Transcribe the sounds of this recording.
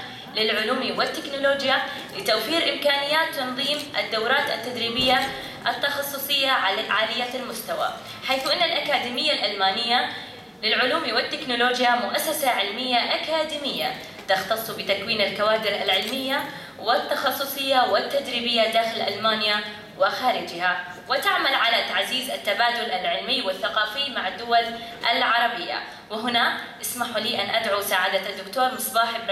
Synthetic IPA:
lɪlʕʊluːmiwɪt̪ːɪknʊloːd͡ʒja | lɪt̪awfiːɾʔɪmkaːnɪjːaːt̪ːɑnðˤiːmʔa̰d̪ːawɾaːt̪a̰t̪ːad̪ɾiːbɪjːa | ʔɪt̪ːɑxɑsˤːʊsˤɨjːaʕaːlɪjːaːt̪almʊst̪awa̰ | ħajθuʔɪnːalʔakaːd̪iːmɪjːalʔalmaːnɪjːa | lɪlʕʊluːmiwɪt̪ːɪknʊloːd͡ʒjamʊʔasːasaʕɪlmɪjːaʔakaːd̪imɪjːa̰ | t̪ɪxt̪ɑsˤːbɪt̪akwiːnalkawaːd̪ɪɾʔa̰lʕɪlmɪjːa | wɪt̪ːɑxɑsˤːʊsˤɨjːawɪt̪ːad͡ʒ̪ɾiːbɪjːad̪aːxɪlʔa̰lmaːnja | wɪxaːɾɪd͡ʒɪha | wɪt̪aʕmalʕalat̪aʕziːzat̪ːabaːd̪ʊlalʕɪlmɪjwɪθːaqɑːfɪjmaʕad̪ːʊwalʔalʕɑɾˤɑbɪjːa̰ | wɪɦʊnaʔɪsmaħuliːʔanʔad̪ʕusaːʕad̪aad̪ːʊkt̪oːɾˤmʊsˤbaːħɪb

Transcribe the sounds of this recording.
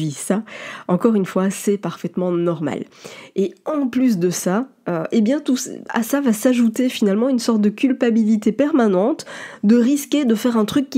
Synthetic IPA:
visaɑ̃kɔʁynfwasɛpaʁfɛt̪mɑ̃nɔʁma̰leɑ̃plys̬d̪əsaøebjɛ̃t̪usa̰savasaʒut̪efinalmɑ̃ynsɔʁt̪̚d̪əkʲylpabilit̪epɛʁmanɑ̃t̪d̪əʁiskʲed̪əfɛʁɛ̃t̪χykʲː

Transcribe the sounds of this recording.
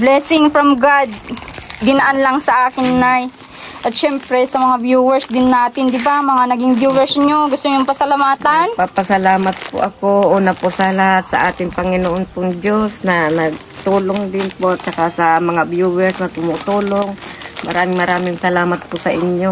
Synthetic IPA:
blɛsɪŋfɾɐmɡad̪̚ɡɪnɐʔanlaŋsɐʔaːkɪnːaj | ʔɐt̪̚ʃɛmpɾɛsɐmɐŋabjuːwɛɹsd̪ɪnːaːt̪ɪnd̪ɪbamɐŋanɐɡɪŋbjuːwɛɹsɲoɡʊst̪oɲʊŋpɐsɐlɐmaːt̪anpapɐsɐlaːmɐt̪̚pʊ̰ʔɐkoʔonɐposɐlɐhat̪̚sɐ̰ʔaːt̪ɪŋpɐŋɪnoʔonpʊŋd͡ʒosnɐnɐɡ̚ | t̪uːloŋd̪ɪnpot͡ʃɐkasɐmɐŋabjuːwɛɹsnɐt̪ʊmʊt̪uːloŋmɐ̰ɾaːmɪŋmɐɾaːmɪŋsɐlaːmɐt̪̚pʊsɐʔɪɲjo

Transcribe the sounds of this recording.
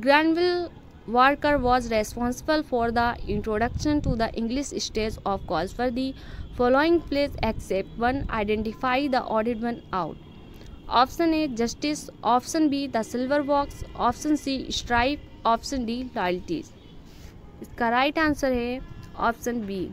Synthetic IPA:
ɡɾãɳɖʋɪl | ʋəɾkəɾʋɔːzɾespɔ̃ːnsɪbəlfɔːɾd̪əɪ̃ɳʈɾoːɖɐkʃə̃nʈud̪əʔɪ̃ŋɡliʃsʈeːzɔːfkɔːlsfɔɾd̪ifɔːloːɪ̃ŋɡpleːsɛksep̚ʈʋɐ̃na̰ɪɖẽɳʈifaɪd̪ə̰ʔɔːɖɪʈʋɐ̃na̰ʊʈ | ɔ̰fsə̃ned͡ʒɐsʈisʔɔːfsə̃nbid̪əsɪlʋəɾʋɔːksɔːfsə̃nsisʈɾaɪp | ɔːfsə̃nɖilɔːjəlʈḭz | ɪskaɾaɪʈãnsəɾɦeɔ̰ːfsə̃nbiː

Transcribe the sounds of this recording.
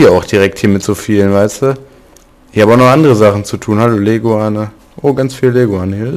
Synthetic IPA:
iːɐaʊxd̥iʁɛk̚thiːɐmɪtz̥oːfiːlənvaɪstu | ʔɪçhaːbəaʊxnɔχʔandəʁəzaχn̩t͡sutʰuːnhaloːleːɡoaːnə | ʔoːɡant͡sfiːləleːɡoaːnəhiːɐ

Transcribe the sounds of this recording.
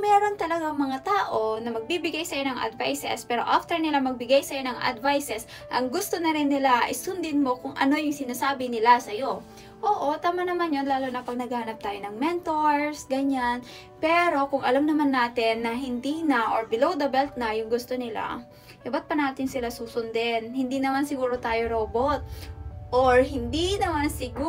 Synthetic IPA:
mɛːɾo̞nt̪ɐlɐɡaŋmɐŋat̪aːʔo̞nɐmɐɡ̚bibɪɡajsɐjonɐŋʔɐ̰d̪vajsɛ̰spɛːɾo̞ʔaft̪ɛɹnɪlamɐɡ̚bɪɡajsɐjo̞nɐŋʔɐ̰d̪vajsɛs | ʔɐŋɡʊst̪o̞nɐɾɪnːɪlaʔɐ̰jsʊnd̪ɪd̪mo̞kʊŋʔɐ̰no̞jʊŋsɪnaːsaːbɪnɪlasɐjo̞ | ʔoːʔo̞t̪aːmanɐmanjo̞nlaːlonɐpɐɡ̚nɐɡahanɐp̚t̪aːjonɐŋmɛnt̪oɹsɡɐɲan | pɛːɾo̞kʊŋʔɐlamnɐmanːaːt̪ɪnːɐɦɪnd̪iːnɐʔoɹbɪlowd̪ɐbɛlt̪̚nɐjʊŋɡʊst̪onɪla̰ | ʔɛbat̪̚pɐnaːt̪ɪnsɪlasuːsʊnd̪ɛnhɪnd̪inɐmansɪɡuːɾo̞t̪aːjo̞ɾoːbot̪̚ʔoɹhɪnd̪inɐmansɪɡu

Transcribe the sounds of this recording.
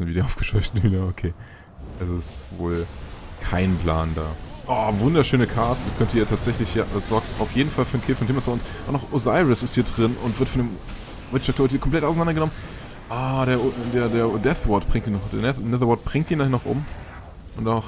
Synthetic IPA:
sn̩viːdeːʔaʊfɡ̥ə̥ʃɔʏçtn̩hynɐokʰeː | ʔɛsɪstvoːlkʰaɪnpl̥a̰ːnda̰ːʔɔːvʊndɐʃøːnəkʰaːstd̥askʰœntəiːɐtʰaːtz̥ɛçlɪçjaːd̥asz̥ɔɐk̚taʊfjeːdn̩falfyːɐnkʰeːfɔntʰɪmasaʊntʔaʊnɔχʔozaɪʁɪsɪsthiɐdʁɪnʊntv̥ɪɐtfɔndeːm | vɪɐtt͡ʃɔkd̥ɔvɪtiɐkʰɔmpl̥ɛtʔaʊs̬nandɐɡənɔmən | ʔadeːɐdeːɐdeːɐdɛθvɔtb̥ʁɪŋtiːnɔχd̥eɐnɛnɛðɐwɔt̚b̥ʁɪŋtiːnanɔχʔʊ̰m | ʔʊntaʊx

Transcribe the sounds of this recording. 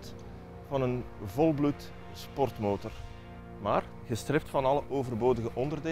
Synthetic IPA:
t | vɑnən | vɔlˠblut | spɔrtmoːtɔr | maːr | ɣəstrɪp̚tfɑnɑləʔoːvərboːdəɣəʔɔndərdeː

